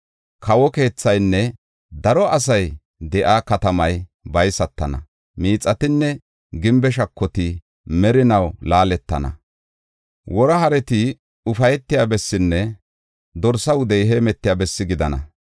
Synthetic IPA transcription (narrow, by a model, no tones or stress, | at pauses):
kʰɐwɔke̞ːt͡sːɐjnːɛ | d̪ɐɾɔʔɐs̬ɐj | d̪ɛʔaːkɐt̪ɐmɐjbɐjsɐt̪ːɐnɐ̰ | miːt͡sʼːɐt̪ɪnːɛ | ɡɪmbɛʃɐkʰːɔt̪ɪ | mɛɾɪnɐwlaːlɛt̪ːɐ̰nɐ̰ | wɔɾɐhɐɾɛt̪ɪ | ʊfɐjɛt̪ːɪjaːbɛsːɪnːɛ | d̪ɔɾsɐwʊd̪ɛjɦeːmɛt̪ːɪjaːbɛsːɪɡɪd̪ɐnɐ̰